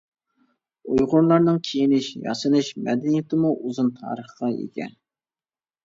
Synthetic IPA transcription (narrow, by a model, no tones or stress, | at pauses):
ujʁʊɾlˠɑɾnɨŋkʲʰejinɪʃjɑ̰sɨnɨʃmɛd̪ɛnijɪt̪ʰɪmuʔuzunt̪ʰɑ̰ːɾəχqɑjḛɡʲɛ̰n